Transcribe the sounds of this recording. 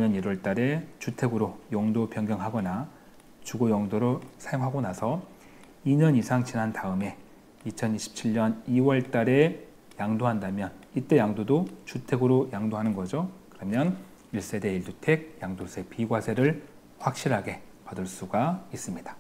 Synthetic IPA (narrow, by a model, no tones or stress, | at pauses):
ɲʌniɾwʌɭt͈aɾe̞t͡ɕutʰe̞ɡɯɾojʌŋdopjʌŋɡjʌŋɦaɡʌna | t͡ɕuɡojʌŋdoɾosʰajoŋɦaɡonasʰʌ | iɲʌnisʰaŋt͡ɕinantaɯme̞ | it͡ɕʰʌniɕʰi̥p̚t͡ɕʰiɭɲʌniwʌɭt͈aɾe̞ | jaŋdoɦandamjʌnit͈e̞jaŋdodot͡ɕutʰe̞ɡɯɾojaŋdoɦanɯnɡʌd͡ʑokɯɾʌmjʌn | iɭs͈e̞de̞iɭtutʰe̞ɡ̚jaŋdosʰe̞piɡwasʰe̞ɾɯɭ | ɸwak̚ɕ͈iɾɦaɡe̞ | padɯɭs͈uɡais͈ɯmɲid̥ḁ